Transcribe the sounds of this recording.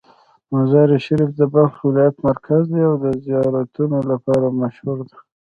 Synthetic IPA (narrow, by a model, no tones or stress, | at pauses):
mazɑɾiʃaɾifd̪əbalxwɪlɑjat̪maɾkʰazd̪eawd̪əzijɑɾat̪unolapɑɾamaʃhuɾd̪e